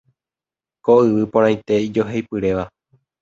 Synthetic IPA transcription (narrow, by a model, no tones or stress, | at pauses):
koɨʋɨpõɾ̃ãj̃t̪e̞id͡ʒo̞ɦejpɨɾe̞ʋa